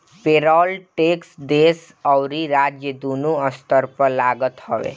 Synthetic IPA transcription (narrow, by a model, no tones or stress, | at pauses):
peːɾɔːlʈeːksd̪eːs | ɔwɾiɾaːd͡ʒjəd̪uːnuəst̪əɾpəɾlaːɡət̪həʋḛː